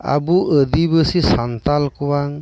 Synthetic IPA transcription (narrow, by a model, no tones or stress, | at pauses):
a̰buʔədibəsisant̪alkuwaŋ